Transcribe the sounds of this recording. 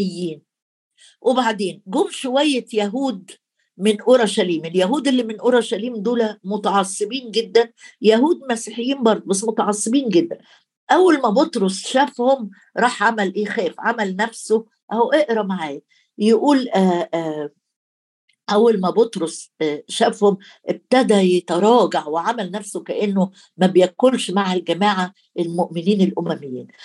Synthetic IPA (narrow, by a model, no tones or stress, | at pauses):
jːiːn | wʔebaʕd̪eːnɡoːmʃowæjːejæɦuːd̪ | menʔoɾˤɑʃæliːmeljæɦuːd̪elːimenʔoɾˤɑʃæliːmd̪uːlæmot̪ɑʕɑsˤːebiːnɡed̪ːænjæɦuːd̪mæsiħejːiːnbɑɾˤd̪ˤobæs̬ːmot̪ɑʕɑsˤːebiːnɡed̪ːæn | ʔæwːælmæbot̪ɾosˤʃæfhom | ɾˤɑːħʕamælʔeːxæːfʕamælnæfso | ʔæwʔeʔɾæmaʕaːjæ | jeʔuːlʔæ | ʔæwːælmæbot̪ɾosʃæfhom | ʔeb̚t̪æd̪æjet̪ɑɾˤɑːɡaʕweʕamælnæfsokæʔenːo | mæbejækːolʃmaʕælɡæmaːʕa | ʔelmoʔmeniːnelʔomæmejːḭːn